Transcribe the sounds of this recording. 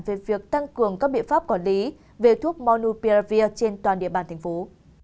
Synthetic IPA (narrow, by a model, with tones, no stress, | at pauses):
mve˨˩vi˨˩ək̚t̪a˧ŋkɨ˨˩əŋka˦˥k̚ɓḭ˧˨ənfaː˦˥p̚kɔ˨˩nli˨˦ | ve˨˩t̪ʰu˦˥ək̚mɔ˧nu˧pi˧za˧vi˧ət͡ɕe˧nt̪waː˨˩nɗḭ˧˨əɓaː˨˩nt̪ʰa˨˩jŋfo˨˦